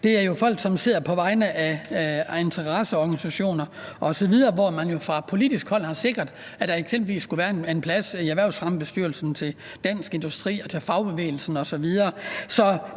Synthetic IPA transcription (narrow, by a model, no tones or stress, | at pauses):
d̥e̝æɐjo̝fɒ̽l̰ɡ̥sɒ̽mse̝ð̰ˠɐpʰɒ̽ʋɑ̈ɪnəʔæ | e̝nt͡sʰɐʁɑsəɒɡ̥ænisæɕo̝̰ːnɐʔɒ̽sɒ̽ʋið̞ˠɐːʋɒmænjo̝fʁɑ̈pʰo̝lid̥isɡ̥hɒ̽l̰hɑ̈se̝ɡ̥ɐd̥ | æd̥ɑ̈eɡ̥semb̥l̩ʋḭːsːɡ̥uʋæːɐene̝npʰlæsiæʋæɐʊsʁɑ̈məb̥e̝sd̥yɐlsn̩t͡sʰe̝l | d̥æn̰sɡ̥e̝nd̥usd̥ʁḭːɒ̽t͡sʰe̝fɑ̈ʊb̥e̝ʋḛːl̩sn̩ɒ̽sɒ̽ʋið̞ˠɐːsɒ̽